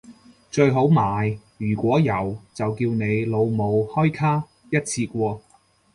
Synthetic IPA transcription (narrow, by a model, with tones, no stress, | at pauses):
t͡ʃɵ˧ɥɦo˨˥wmaː˨˩jjyː˨˩kʷɔː˨˥jɐ˨˩wt͡sɐ˨wkiː˧wne˨˧jlo˨˧wmo˨˧whɔː˥jkʰaː˥ | jɐ˥t̚t͡sʰiː˧kʷɔː˧